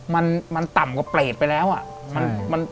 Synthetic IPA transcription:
ma˧nma˧nt̪a˨˩mkɔ˧˩pleː˨˩t̪̚pa˧jlɛː˦˥wʔa˨˩ma˧nma˧n

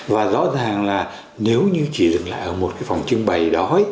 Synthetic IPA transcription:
vaː˨˩zɔ̰˧˥zaː˨˩ŋlaː˨˩ | ne˨˦wɲɨ˧t͡ɕi˧˩zɨ˨˩ŋla̰ː˧˨jʔəː˧˩mo˨˩t̚kaː˨˦jfa˨˩wŋ͡mt͡ɕɨ˧ŋɓə˨˩jɗɔ˨˦

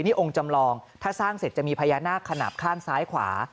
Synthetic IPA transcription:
niː˥˩ʔo˧ŋt͡ɕa˧mlɔː˧ŋt̪ʰaː˥˩saː˥˩ŋse˨˩t̪̚a˨˩miː˧pʰa˧jaː˧naː˥˩kʰːa˧na̰˨˩p̚kʰaː˥˩nsaː˦˥jkʰwa̰ː˩˦

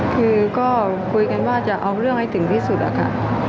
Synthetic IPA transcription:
kɨ˨˦kɔ˧˦ | ku˨˦jka˨˦nɓaː˧˩t͡ɕaː˧˩ʔə˨˦wlɨ˧əŋha˧jt̪ɨ˨˧˩ŋt̪i˧˦su˧˩ɗa̰˨˩ka̰ː˧˩˨

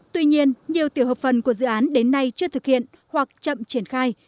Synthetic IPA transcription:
t̪wi˧ɲi˧ənɲi˨˩əwt̪i˧˩əwɦəː˨˩p̚fə˨˩nku˧˩əzɨ̰˧˨ʔaː˨˦nɗe˨˦nːa˧jt͡ɕɨ˧ət̪ʰɨ˨˩k̚hḭ˧˨ən | hwa˨˩k̚t͡ɕə̰˧˨mt͡ɕi˧˩ənxaː˧j

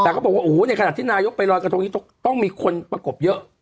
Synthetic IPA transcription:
t̪ɛ˨kɔː˥˩bɔ˨˩k̚waː˥ʔuː˩˦na˧jkʰa˧aː˨˩t̪ʰiː˥˩naː˧jo˦˥k̚pa˧jɾɔː˧jkɾa˧t̪ʰŋi˥˩t̪ɔ˥˩ŋt̪ɔ˥˩ŋmiː˧kʰo˧npɾa˧ko˨˩p̚jɤ˦˥ʔ

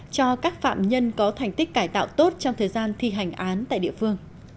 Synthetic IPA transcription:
t͡ɕɔ˧kaː˦˥k̚fa̰ː˧˨mɲə˧nkɔ˨˦t̪ʰɛ˨˩jŋ̟t̪i˦˥k̟̚kaː˧˩jt̪a̰ː˧˨wt̪o˦˥t̚t͡ɕɔ˧wŋ͡mt̪ʰəː˨˩jzaː˧nt̪ʰi˧ɦa˨˩jŋ̟ʔaː˨˦nt̪a̰ː˧˨jɗḭ˧əfɨ˧əŋ

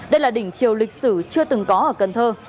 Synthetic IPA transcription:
ɗə˧jlaː˨˩ɗï˧˩ŋ̟t͡ɕi˨˩əwlï˨˩k̟̚sɨ̰˧˩t͡ɕɨ˧ət̪ɨ˨˩ŋkɔ˨˦ʔəː˧˩kə˨˩nt̪ʰəː˧

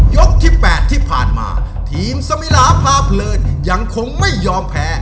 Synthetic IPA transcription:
jo˦˥k̚t̪ʰiː˥˩pɛː˨˩t̪ʰːiː˥˩pʰa̰ː˨˩nma̰ː˧ | t̪ʰiː˨˦msa˧mi˦˥laː˧pʰaː˧˩pʰlɤː˧nja˧ŋkʰo˧ŋma˥˩jːɔː˧mpʰɛː˦˥

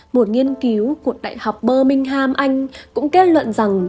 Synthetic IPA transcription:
mo˨˩t̚ŋi˧ənki˨˦wku˨˩ək̚ɗa̰ː˧˨jha˨˩wk͡p̚ɓəː˧mï˧ŋ̟ɦaː˧mʔa˧jŋ̟kʊ̰˧˥ŋ͡mke˦˥t̚lwə̰˧˨nza˨˩ŋ

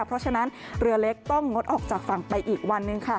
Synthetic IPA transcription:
a˥˩pʰɾɔ˦˥t͡ɕʰa˧na˦˥n | ɾɯ˧ɐle˦˥k̚t̪ɔ˥˩ŋːo˦˥t̪̚ʔɔː˨˩k̚t͡ɕaː˨˩k̚fa˨˩ŋpa˧jʔiː˨˩k̚wa˧nːɯ˧ŋkʰa˥˩

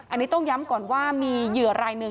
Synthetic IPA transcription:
ʔa˧nːiː˦˥t̪ɔ˥˩ŋja˦˥mkɔː˨˩nwaː˥˩miː˧jɯ˨˩ɐɾaː˧jnɯ˧

